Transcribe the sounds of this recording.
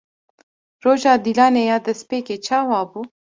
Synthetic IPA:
ɾoʒɑːd̪ilɑːnejɑd̪əspeket͡ʃɑwɑːbu

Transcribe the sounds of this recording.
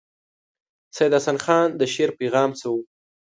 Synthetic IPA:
sajɪd̪asanxɑnd̪əʃeɾpeɣɑːmt͡səwu

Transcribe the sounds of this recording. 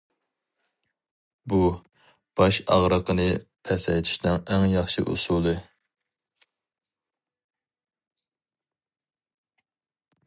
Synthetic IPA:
bu | b̥ɑʃɑʁɾəqʰənɨpʰɛsɛjt̪ʰi̥ʃnɨŋɛŋjɑχʃiʔṵsulˠɨ

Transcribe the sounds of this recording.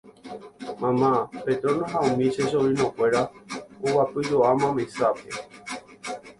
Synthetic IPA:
mãmãpet̪ɾonõɦaũmĩʃeʃoĩnõkʷe̞ɾaowapɨd͡ʒoʔamãmẽsape

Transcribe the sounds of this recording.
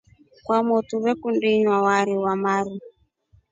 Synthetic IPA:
kwamɔtuβɛkundiɲwawaɾiwamaɾu

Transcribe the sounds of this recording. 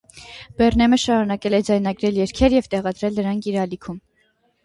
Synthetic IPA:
b̥ɛrnɛməʃɑɾunɑkɛlɛd͡zɑjnɑɡɾɛljɛɾkʰɛɾjɛvt̪ɛʁɑd̪ɾɛlnəɾɑŋkʰiɾɑlikʰum

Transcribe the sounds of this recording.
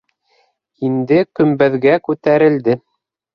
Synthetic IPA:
ind̪ɘkɵ̆mbæðɡækʉt̪æɾɘ̆ld̪ɘ

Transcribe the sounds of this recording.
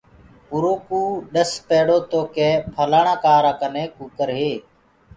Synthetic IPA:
ʊɾoːkuːɗəspɛːɽoːt̪oːkeːpʰəlaːɳãːkaːɾaːkənẽːkuːkəɾɦeː

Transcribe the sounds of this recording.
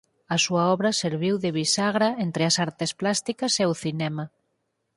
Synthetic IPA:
ɐsuɐɔβɾɐseɾβiwðɪβisaɣɾaent̪ɾɪɐsaɾt̪ɪsplast̪ikɐseʊθinɛmɐ

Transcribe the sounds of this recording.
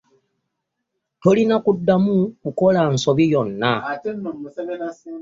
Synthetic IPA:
to̞linakudːamukukolan̩soβijonːa

